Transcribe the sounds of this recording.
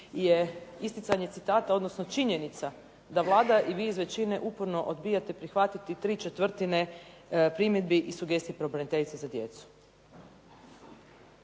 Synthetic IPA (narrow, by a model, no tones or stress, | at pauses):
ijeist̪it̪saɲe̞t̪sit̪aːt̪ao̞d̪no̞sno̞t͡ʃiɲe̞nit̪sa | d̪aʋlˠaːd̪aʔiʋiːizʋe̞t͡ʃineʔupoɾno̞ʔod̪biːjat̪epɾixʋat̪it̪it̪ɾiːt͡ʃe̞t̪ʋr̩t̪ine̞pɾimjed̪biʔisuɡe̞st̪ijepɾebɾenit̪e̞ʎit̪sezad̪je̞t̪su̥